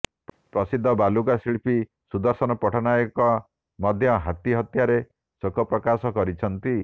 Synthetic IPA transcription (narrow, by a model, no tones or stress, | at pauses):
pɾɔsid̪ʱːɔbaluɡasiɭpʰi | sud̪ɔɾsɔnɔpɔʈʰɔnajɔkɔ | mɔd̪ʱjɔɦat̪iɦɔt̪jaɾe | sokɔpɾɔkasɔkɔɾit͡ʃʰɔnt̪i